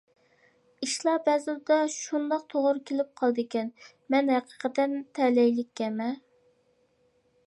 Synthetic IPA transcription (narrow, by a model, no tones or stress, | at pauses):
iʃlˠɑbɛzɪld̪ɑʃund̪ɑq̚t̪ʰoʁʊɾkʲʰelɪp̚qʰɑlˠd̪ɪkʲɛn | mɛnhæqʰə̥qʰət̪ɛnt̪ʰɛlɛjlɪkʲːɛmɛ